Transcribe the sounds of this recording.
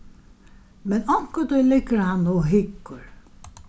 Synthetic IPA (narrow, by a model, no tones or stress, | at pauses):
mɛnɔŋ̥kət̪ʊjlɪkːəɾhanːuɦɪkːʊɾ